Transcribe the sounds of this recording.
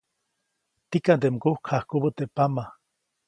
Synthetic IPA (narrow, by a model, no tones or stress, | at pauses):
t̪ikant̪emkuhkʰhahkubət̪eʔpama